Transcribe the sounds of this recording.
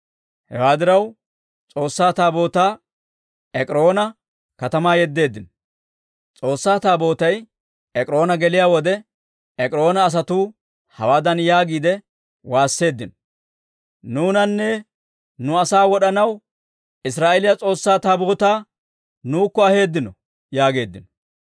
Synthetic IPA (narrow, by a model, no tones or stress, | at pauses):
hɛ̰waːd̪ɪɾɐw | t͡sʼo̞ːsːaːt̪aːbo̞ːt̪aː | ɛkʼɪɾo̞ːnɐ | kɐt̪ɐmaːjɛd̪ːe̞ːd̪ːɪn | t͡sʼo̞ːsːaːt̪aːbo̞ːt̪ɐj | ɛkʼɪɾo̞ːnɐɡɛlɪjaːwɔd̪ɛ | ɛkʼɾo̞ːnɐːs̬ɐt̪uː | hɐ̰waːd̪ɐnjaːɡiːd̪ɛ | waːsːe̞ːd̪ːɪnɔ̥ | nuːnɐnːɛ | nʊɐsaːwɔɗɐnɐw | ʔɪs̬ɾaːʔelɪjɐt͡sʼo̞ːsːaːt̪aːbo̞ːt̪aː | nuːkːɔɐhe̞ːd̪ːɪnɔ | jaːɡe̞ːd̪ːɪnɔ